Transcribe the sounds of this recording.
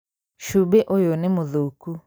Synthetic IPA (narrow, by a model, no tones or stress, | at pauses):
ʃubeʔojonɪmoðoku